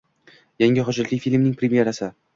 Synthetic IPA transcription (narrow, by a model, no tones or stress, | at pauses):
jaŋʲɪχɒd͡ʒat̪lijfilʲmnɪŋʲpʰɾʲemjeɾasɪ